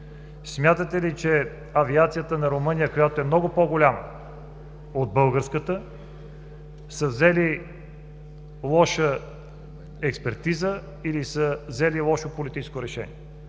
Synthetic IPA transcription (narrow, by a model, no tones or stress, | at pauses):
smʲjat̪ət̪ɛlit͡ʃɛ | ɐviat̪sijət̪ənɐɾomɤnʲijəkojat̪oɛmnɔɡopoɡolʲamə | od̪̚bɤlˠɡəɾskət̪ə | səvzɛli | lˠɔʃə | ɛkspɛɾt̪izə | ilisəvzɛlilˠɔʃopolit̪it͡ʃɛ̥skoɾɛʃɛ̰nḭɛ